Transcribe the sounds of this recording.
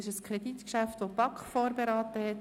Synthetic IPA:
ɪʃəskʰɾɛd̪it̪kʃæft̪ʋopɑkχfoːɾbeɾɑːt̪əhɛt̪

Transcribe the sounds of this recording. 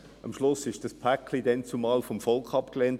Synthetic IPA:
ɑmʃlʊsɪʃd̥ɑspʰækːlidɛnt͡sumɑːlfɔmfɔlkχɑpkleːnt

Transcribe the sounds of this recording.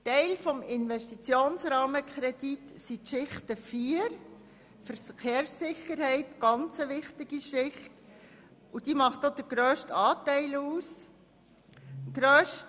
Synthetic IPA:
tɛɪlfɔmɪnʋɛʃtit͡sjoːnsɾɑːməkʰχɾɛd̥itsitʃɪχtəfiːəɾ | fəɾkeːɾsːɪχːəɾhɛɪtɡ̥ɑnt͡səʋɪχtɪɡiʃɪχt | ud̥iːmɑχtod̥̪əɾɡ̥ɾœːʃtɑːtɛɪluːs | ɡ̥ɾœːʃt

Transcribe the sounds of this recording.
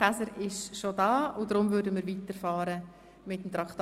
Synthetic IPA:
æsəɾɪʃʃodɑːʊdɾʊmvʏːɾdəmiːɾʋiːtəɾfɑːɾə | mɪtəmt̪ɾɑkt

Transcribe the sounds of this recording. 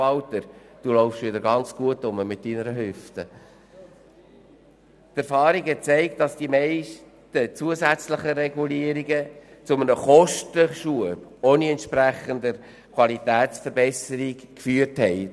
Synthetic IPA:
ɑltəɾd̥ulɔʊfʃʋɪd̪əɾɡɑnt͡sɡ̥uətːʊməmɪt̚d̥inəɾəɦʏftə | tæɾfɑːɾiɡhɛt͡sɛɪktdɑsd̥imɛɪʃ | tət͡suəzæt͡sləχəɾɛɡuliəɾiɡət͡sʊmənəχɔʃtəʃuəboːniɛntʃpræχənd̪əɾ | kʰwɑlitæːtsfəɾbɛsəɾikkfyːəɾthɛɪ

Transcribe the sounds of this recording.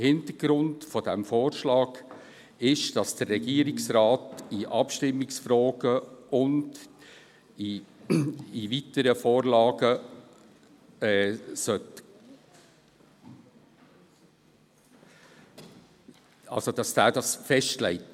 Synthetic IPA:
hɪntəɡ̥ɾʊntfɔdɛmfoːɾʃlɑːɡ̥ | ɪʃd̥ɑsd̥ərːɛɡiːəɾɪksɾɑːtiʔɑpʃtɪmːɪksfɾɔːɡəʊnd | i | ivitəɾəfoːɾlɑːɡ̥ə | ɛːsœt | ɑ̰lsod̥ɑsd̥æːdɑsfɛʃtlɛ̰ɪt

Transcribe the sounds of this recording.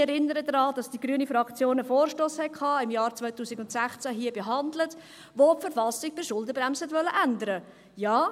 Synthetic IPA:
ɛɾɪnːəɾədɾɑːdɑsd̥iɡɾyənifɾɑkt͡sjoːnəfoːɾʃtoːshɛkʰhɑːɪmjɑːɾt͡sʋœʏtuːsiɡʊntsæχt͡sæɦiəbeɦɑndlət | ʋopfəɾfɑsɪɡ̚b̥ɪʃʊlˠdəbɾæmsɛtʋœlːəʔændəɾə | jɑː

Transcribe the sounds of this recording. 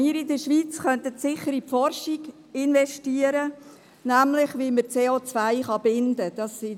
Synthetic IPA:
iːɾɪdəʃʋiːt͡sχœnt̪ətsɪχəɾipfɔrʃiɡ | ɪnʋɛʃtiəɾə | næmlɪχʋiməɾt͡seːoːt͡svæɪχɑbɪnd̥əd̥ɑsːi

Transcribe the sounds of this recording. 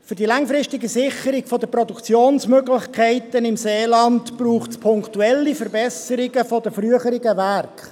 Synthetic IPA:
fʏɾdilɑŋfɾɪstɪɡəsɪχəɾɪɡ̥fɔdəprɔdukt͡sjoːnsmøɡlɪçkʰɛɪtənɪmseːlɑntb̥ruːχtspʰʊŋktuɛlːifəɾbɛsəɾɪɡəfɔdəfryəχəɾɪɡəʋærkχ

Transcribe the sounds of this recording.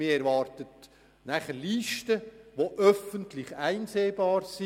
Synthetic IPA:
mɪːɾɛɾʋɑːrtət | næχəɾliːʃtəʋoʔœfəntlɪχæɪnseːbɑːɾsi

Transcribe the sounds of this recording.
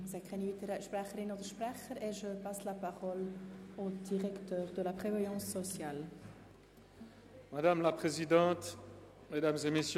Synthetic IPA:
zɛkχɛnivit̪eʁaʃpʁɛχəɾinot̪ʃpʁɛχəɾeʒəpaslapaʁɔlod̪iʁɛkt̪œːʁd̪əlapχevajɑ̃sːɔsjal | mad̪amlapχezid̪ɑ̃ːt̪ | med̪amzemesj

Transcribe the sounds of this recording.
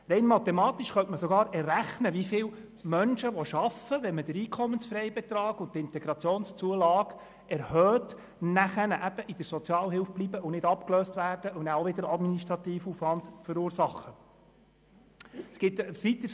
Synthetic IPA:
ɾɛɪnmɑt̪ɛmɑːtiʃχœntməsɔɡɑːɾɛrːæχnəʋifɪːl | mœnʃəʋɔʃɑfəʋɛnməd̥əɾiːkʰɔmːənsfɾɛjbɛt̪ɾɑːɡ̥ʊnttɪntɛɡ̥ɾɑt͡sjoːnst͡suəlɑːɡ̥ | ɛɾhœːt | næχənəʔæb̥əʔid̥əɾsɔt͡sjɑːlɦɪlfblibəʔʊnɪdɑpkløːstʋæːrd̥əʔʊnæoʋɪdəɾɑdminiʃtɾɑt̪iːfuːfʋɑndfəɾuːɾsɑχə | sɡ̥ɪt̪ʋit̪əs

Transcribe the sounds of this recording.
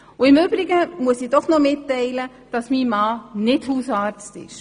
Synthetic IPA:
ʊɪmʏb̥ɾɪɡəmuəsid̥ɔχnɔmɪtːɛɪlə | d̥ɑsmiːmɑːnɪthuːsɑːɾt͡stɪ̰ʃ

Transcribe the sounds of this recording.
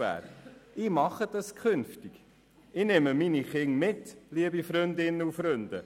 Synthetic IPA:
æ̰ːɾɪːmɑχəd̥ɑskʰχʏnftiɡ̥ | ɪnɛməminiχɪŋmɪtliəbifɾʏnd̪ɪnːəufɾʏndə

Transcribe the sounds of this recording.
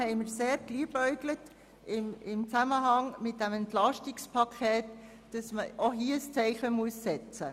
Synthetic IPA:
hɛɪmɪɾseːɾɡ̥liːbœʏɡlət | ɪmɪmt͡saməɦɑŋmɪt̚d̥ɛmɛntlɑʃtɪkspʰɑkʰɛːt | d̥ɑsməoɦiːst͡sɛɪχəmuəsːɛt͡sə

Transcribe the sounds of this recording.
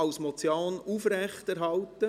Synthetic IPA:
ɑʊsmɔt͡sjoːnufɾɛχtæɾɦɑlt̪ə

